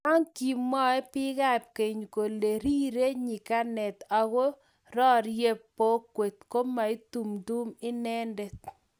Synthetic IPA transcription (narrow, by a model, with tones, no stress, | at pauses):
ɔ˦ŋki˨mːɔ˦ɛ˦pɪ˦ɡa˦˨p̚ke˨ɲko˨le˨ɾi˦ɾe˦ɲi˨ka˦nɛ˨t̪a˨ɡo˦ | ɾɔ˦ɾje˦pːo˦kwe˨t̪ko˦ma˨i˦t̪u˨mdu˦mɪ˦nɛ˦nde˨t̪